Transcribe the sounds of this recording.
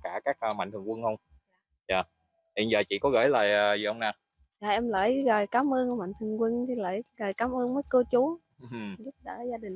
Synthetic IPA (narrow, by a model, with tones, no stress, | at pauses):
kaː˧˩kaː˦˥k̚ːma̰˧˨ŋt̪ʰɨ˨˩əŋkwə˧ŋhə˧wŋ͡m | ja̰ː˨˩ | hḭ˨˩nzəː˨˩t͡ɕḭ˧˨kɔ˨˦ɣə̰˧˥jla̰ː˨˩jə˨˩zɨ̰˨˩ʔə˧wŋ͡mnaː˨˩ | zaː˨˩ʔɛ˧mlə̰ː˧˩jɣəː˨˩jkaː˨˦mʔəː˧nʔə˧˩ma̰˧˨ŋt̪ʰɨ˨˩əŋkwə˧nt̪ʰi˨˧˩lə̰ː˧˨˩jɣəː˨˩jkaː˨˦mʔəː˧ŋməː˨˦jkəː˧t͡ɕu˨˦˨ | zu˦˥p̚ɗə̰ː˧˩zaː˧ɗï˨˩ŋ